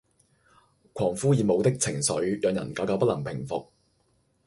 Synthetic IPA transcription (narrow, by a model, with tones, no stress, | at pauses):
kʰɔː˨˩ŋfuː˥jiː˨˧mo˨˧wt̪ɪ˥k̚t͡sʰɪ˨˩ŋsɵ˨˥ɥjœː˨˧ŋjɐ̰˨˩nkaː˨˥kaː˨˧wpɐ˥t̚lɐ˨˩ŋpʰɪ˨˩ŋfʊ˨k̚